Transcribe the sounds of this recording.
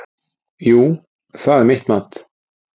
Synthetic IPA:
juː | sɑːd̪əmɪt̪mat̪

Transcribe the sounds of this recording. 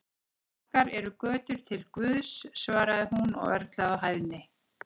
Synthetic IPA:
ɔkaɾɛɾʏkœːt̪ʏɾ̥t̪ʰɪlkvʏðsːvaːɾaðɪɦunɔ̰ɣœɾt̪laawɦaːjvnɪ

